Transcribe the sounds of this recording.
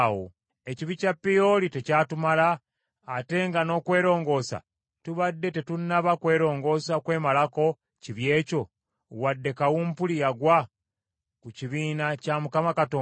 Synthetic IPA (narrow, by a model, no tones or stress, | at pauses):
wo | e̞ciβicapːijolite̞caːtumalaː | te̞ŋɡano̞kwe̞ːɾo̞ːŋɡo̞ːsa̰ | tuβadːe̞te̞tunːaβakwe̞ːɾo̞ːŋɡo̞saokwe̞ːmalako̞ | ciβje̞ːco̞ | wadːe̞kawumpulijaɡwa | kuciβiːnacamukamakato